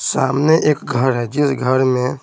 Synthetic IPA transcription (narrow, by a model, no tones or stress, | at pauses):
saːmneʔeːkɡʱəɾɦɛːd͡ʒɪsɡʱəɾmẽ